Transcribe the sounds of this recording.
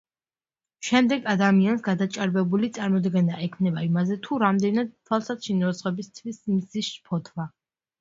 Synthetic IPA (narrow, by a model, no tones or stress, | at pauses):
ʃɛmd̪ɛɡad̪amiansɡad̪at͡ʃʼaɾbɛbulit̪sʼaɾmɔd̪ɡɛnaʔɛkʰmnɛbaimazɛt̪ʰuɾamd̪ɛnad̪̚t̪ʰwalˠsat̪ʃinɔzʁɔbist̪ʰvismzisʃpʰɔt̪ʰva